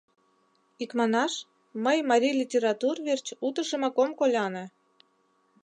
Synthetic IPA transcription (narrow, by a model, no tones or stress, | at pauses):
ikmɑnɑʃ | məjmɑɾʲijlʲitʲeɾɑt̪urvert͡ɕut̪əʃə̆mɑkomkolʲɑnĕ